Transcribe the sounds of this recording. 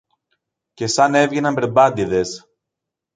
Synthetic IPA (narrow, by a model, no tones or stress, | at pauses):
ce̞sɐne̞vʝenɐmbɾebɐd̪iðe̞s